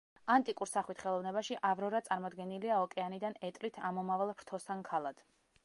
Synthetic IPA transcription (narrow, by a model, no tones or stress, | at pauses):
ant̪ʼikʼuɾsaχwit̪χɛlˠɔvnɛβaʃiʔavɾɔɾat̪sʼaɾmɔd̪ɡɛniliaɔkʼɛanid̪anɛt̪ʼlit̪ʰamɔmavalˠpʰɾt̪ʰɔsankʰalˠad̪̥